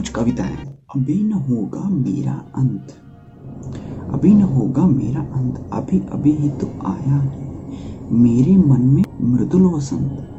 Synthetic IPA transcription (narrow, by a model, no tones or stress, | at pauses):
kʊt͡ʃkɐʋɪt̪a̰ːjã̰ɐbʱeːnɐɦoːɡaːmḛːɾa̰ɐnt̪ʰ | ɐ̰bʱinɐɦoːɡaːmeːɾaʔɐnt̪ʰɐ̰bʱiʔɐ̰bʱiɦit̪uaːjaɦɛːmeːɾemɐnmẽmɾɪd̪ulʋɐsɐ̰nt̪